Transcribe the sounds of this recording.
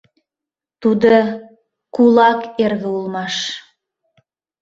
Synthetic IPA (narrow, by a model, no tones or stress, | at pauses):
t̪ud̪o | kulɑkerβeulˠmɑʃ